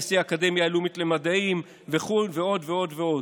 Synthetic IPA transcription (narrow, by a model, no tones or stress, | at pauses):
siaːkade̞mjaelumit̪le̞mad̪aim | veχulveo̞d̪veo̞dveo̞d